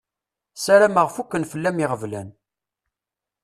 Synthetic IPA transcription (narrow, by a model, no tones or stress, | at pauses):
sæɾæməʁfukːənfəlːæmiʁəvlæn